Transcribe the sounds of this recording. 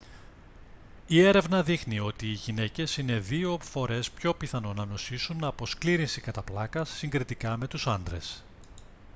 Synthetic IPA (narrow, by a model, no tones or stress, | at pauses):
ie̞ɾe̞vnɐðixnio̞t̪iːʝine̞ce̞sine̞ðio̞fo̞ɾe̞spço̞piθɐno̞nɐno̞sisunːɐːpo̞skliɾinsikɐt̪ɐplɐkɐsːiŋɡɾit̪ikɐme̞t̪usɐnd̪ɾe̞̰s